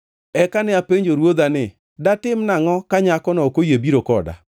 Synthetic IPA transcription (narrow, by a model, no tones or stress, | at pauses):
ɛkanɛapeɲd͡ʒoɾwod̪anɪ | datɪmnaŋɔkaɲakɔnɔokojebiɾokɔda̰